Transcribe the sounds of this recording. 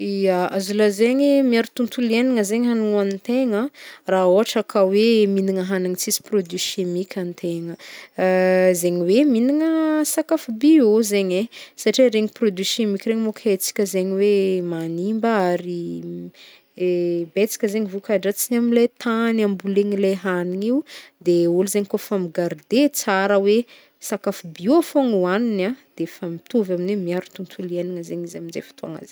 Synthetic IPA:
ijaazulazeɲimiaɾut̪unt̪uleniŋəzeɲɦanuanit̪eŋəraoɦaʈ͡ʂakʰaweminiŋəɦanaŋit͡sisi̥prod̪yʃemikʲʰant̪ʰeŋə | zeɲiweminiŋəsakafubiozeɲesaʈ͡ʂiɾeŋiprod̪yʃemikʲireŋimokʰet͡si̥kʲəzeɲiwemanimbəaɾi | bet͡si̥kʲəzeɲivukaɖ͡ʐat͡sinamilet̪ʰanambuleŋileɦaniŋiud̪euluzeɲikofamiɡaɾd̪et͡saɾəwe | sakafubioafoŋuaninad̪̥efamit̪uvaminwemiaɾut̪unt̪ʰulieniŋəzeɲizamind͡zḛfi̥t̪ua̰ŋa̰zeɲ

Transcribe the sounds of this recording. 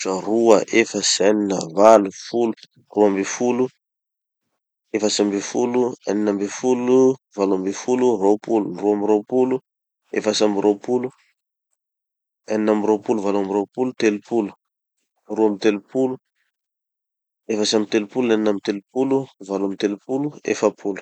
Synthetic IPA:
aruəʔefəsaninə̰valufulu̥ | ruambefulu | efəsambefulua̰ninambefuluvaluambefulurowpulunruamiɾopulu | efasamiɾʔowpulu | aninambiɾowpuluvaluambiɾowpulut̪elupulu̥ | ruamit̪elupulu | efasamit̪elupulunaninamit̪elupuluvaluamit̪elupuluḛfapʰulu̥

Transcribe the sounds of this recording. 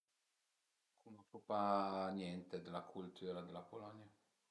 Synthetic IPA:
kʰunɔkupanjɛnt̪ed̪elakʰult̪ʰuːɾad̪elːapolɔnja

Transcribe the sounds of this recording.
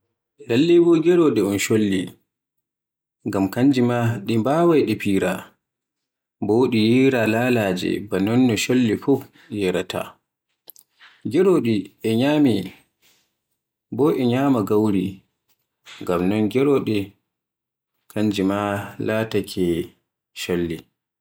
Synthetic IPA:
dalːibɔɡɛɾɔɗɛunʃolːi | ŋɡamkand͡ʒimaɗimbawajɗɛpiːɾa̰ | boɗijiɾalalaːd͡ʒɛ̰banɔnːɔʃolːifɔf | jɛɾatʰa̰ | ɡɛɾoɗiʔɛɲaːmi | bɔːʔɛɲamaɡawɾi | ŋɡamnɔnɡɛɾɔɗɛ | kʰaɲd͡ʒimalatakʰɛ | ʃolːi

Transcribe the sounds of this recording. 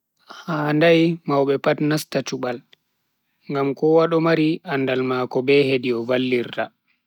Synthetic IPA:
haːndajmawɓɛpatnastat͡ʃuɓal | ŋɡamkɔwaɗɔmaɾiʔanːdalmaːkɔbɛhediɔvalːiɾta

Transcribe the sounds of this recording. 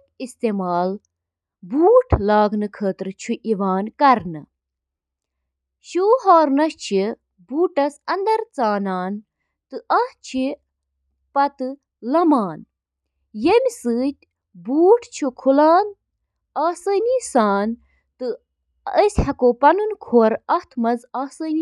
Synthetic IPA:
ist̪eːmaːl | buːʈʰlaːɡnɨkʰəːt̪ɾt͡ʃʰuʔiʋaːnkɐɾnɨ | ʃuːɦaːɾnɐst͡ʃʰi | buːʈɐsɐnd̪ɐɾt͡saːnaːn | t̪ɨʔɐht͡ʃʰi | pɐt̪ɨ | lɐmaːn | jemʲsɨːt̪ʲ | buːʈʰt͡ʃʰukʰulaːn | aːsəːniːsaːn | t̪ɨ | əsʲhɐkoːpɐnunkʰoːɾɐht̪ʰmɐzaːsəːni

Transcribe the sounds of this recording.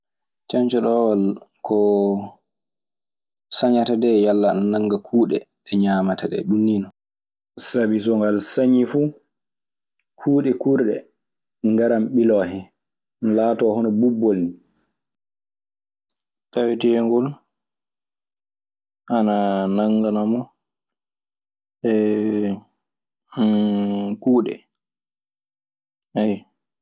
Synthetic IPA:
t͡ʃaɲt͡ʃɔɗɔwalkɔ | saɲatadɛjalːannaŋɡakʰuːɗɛ̰ | ɗɛɲamatadɛ̰ɗunːinɔ | sabis̬ɔŋɡalsaɲifu | kʰuːɗɛkuɾɗɛ | ŋɡaɾamɓilɔhɛ | nlaːtɔːhɔnɔbubːolni | tawitɛɛŋɡɔl | ʔananaŋːɡanamɔ | ɛ | kuːɗɛ̰ | aj

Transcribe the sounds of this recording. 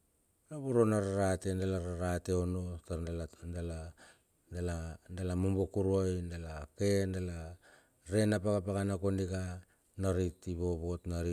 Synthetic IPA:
aβuɾo̞naɾaɾate̞ndalaɾaɾate̞ono̞taɾalaala | dalandalamombokuɾojndalake̞ndala | ɾe̞napaɡapaɡanako̞niɡa | naɾitiβo̞βo̞tnaɾi

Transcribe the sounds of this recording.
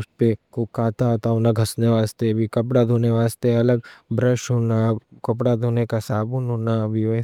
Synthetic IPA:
ʊspekokaːt̪at̪aʊnaɡʱɐsneʋaːst̪ebʱikɐp̬ɽad̪ʱoːneʋaːst̪eɐləɡbɾəʃɦonakɐp̬ɽad̪ʱoːnekasaːbunɦonabʱi

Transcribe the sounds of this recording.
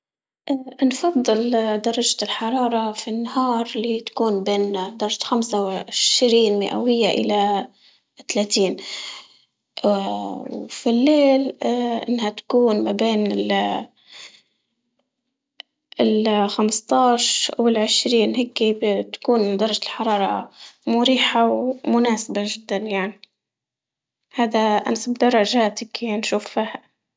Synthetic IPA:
ʔnfɑd̪ˤːɨld̪ɑɾˤɑd͡ʒalħɑɾˤɑːɾˤɑfinːaɦɑːɾˤlit̪ḁkuːnbeːnd̪ɑɾˤɑʒaxamsawʕɪʃɾiːnmɪ̰ʔa̰wɪjːaʔɪ̰la | t̪alaːt̪iːn | wfilːeːlʔɪ̰nːhat̪ḁkuːnmabeːnɪl | lxamst̪ˤɑːʃwɪlʕɪʃɾiːnɦeːkːit̪ḁkuːnd̪ɑrˤɑʒaɪlħɑɾˤɑːɾˤɑ̰mʊɾiːħawmʊnaːsabaʒɪd̪ːanjaʕni | haːd̪aʔa̰nsabd̪ɑrˤːɑʒaːt̪ɪkinʃuːffiːha

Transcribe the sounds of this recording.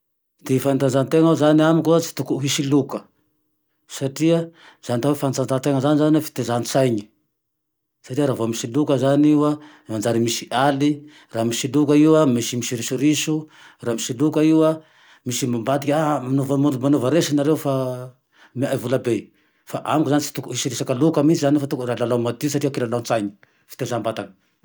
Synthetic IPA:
d̪̥ifant̪and͡zant̪eŋazaniamikuat͡si̥t̪ukuɦisilukə | saʈ͡ʂiə | z̥anit̪aɦwefant͡s̪ant̪ant̪eŋəzanizanafi̥t̪ezanit͡sajɲi̥ | saʈ͡ʂiəɾaːvoamisilukəzaniwa | mand͡zaɾimisiʔali | raːmisilukaiwamisimisiɾiʃuɾisu | raːmisilukəiwa | misimambat̪ikʲamanovmomanovəɾesanaɾewfa | miajvulabe | faʔamkuzanit͡si̥t̪ukuisiɾisakəlukəmisizanfat̪ukuralalawmat̪isaʈ͡ʂiakilalant͡sajɲi̥ | fi̥t̪ezambat̪aŋə̥

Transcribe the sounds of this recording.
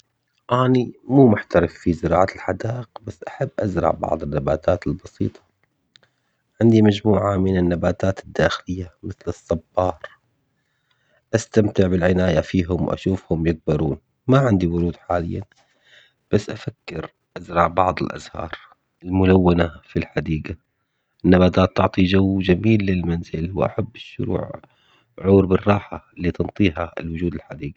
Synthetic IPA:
ʔaːnimuːmʊħt̪aɾɪfːizɪɾɑːʕalħad̪aːʔɪqbasːʔaħabːʔazɾˤɑ̰ʕbɑ̰ʕðˤɪnːabaːt̪ʰaːt̪ɪlbɑsḭːt̪ˤɑ̥ | ʕɪnd̪imad͡ʒmuːʕamɪnɪnːabaːt̪aːt̪ɪd̪ːaːxɪlɪjːamɪθlɨsˤːɑbːɑːɾˤ | ʔast̪amt̪ɪʕbɪlʕɪnaːjafiːɦʊmwʔa̰ʃuːfhʊmjɪɡ̚bɑɾuːn | maʕɪnd̪iwʊɾuːd̪ħaːlɪ̰jːa̰n | b̥asːʔafakːɪɾ | ʔazɾˤɑʕbɑʕðˤɪlʔa̰zhɑ̰ːɾˤ | ɪlmʊlawːanafilħad̪iːɡa | ʔʔɪnːabaːt̪aːt̪ːʊʕt̪ˤid͡ʒawːd͡ʒamiːlːɪlmanzɪlwʔa̰ħabːɪʃːʊ̰ɾṵːʕ | ʕuːɾbɪrˤːɑːħaliːt̪ɨnt̪ˤiːɦaɪ̰lwʊd͡ʒuːd̪ɪlħad̪iːɡa

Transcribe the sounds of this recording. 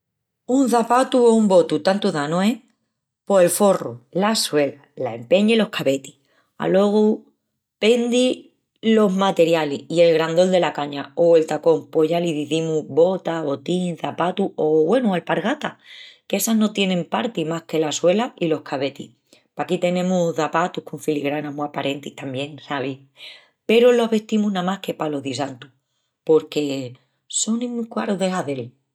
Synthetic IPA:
unθapat̪uoumbo̞t̪ut̪ant̪uðanoe | po̞e̞lfo̞rṵlaswe̞lalaempe̞ɲailo̞hkʰaβe̞t̪i̥ | a̰lwo̞ɣ̞u | pe̞nd̪i | lo̞ɦmat̪e̞ɾjaliie̞lɣɾand̪o̞ld̪e̞lakaɲaoelt̪ako̞mpoʝaliðiðimuβo̞t̪aβo̞t̪iŋθapat̪uʔoβwe̞nuelpaɾɣat̪ake̞sano̞t̪je̞nẽ̞mpaɾt̪imahke̞laswe̞lailo̞hkʰaβe̞t̪ḭ | pakit̪e̞nẽmuðapat̪uhkoɱfiliɣɾanamuapaɾʔe̞nt̪iht̪ambje̞ŋhaβi | pe̞ɾoloɦβe̞ht̪imunamahke̞palo̞ðis̬ant̪u̥ | po̞ɾke̞ | so̞nĩmːukwa̰ɾoðehaðe̞l

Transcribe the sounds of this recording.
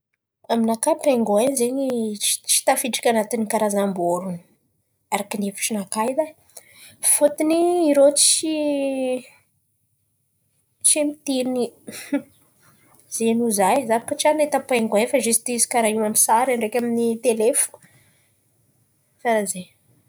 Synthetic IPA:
aminakapaŋɡoenzeɲi̥t͡ʃi̥t̪afiʈ͡ʂḁkʲanat̪inikaɾazamboɾun | aɾakinefu̥ʈ͡ʂinakajd̪a | fot̪iniːɾot͡si | t͡ʃemit̪ini | z̥enuzajzavakət͡ʃianet̪apeŋɡaefaʒyst̪isi̥kaɾaɦiwamisaɾaɳɖ͡ʐekʲaminit̪elefu̥ | saɾaze

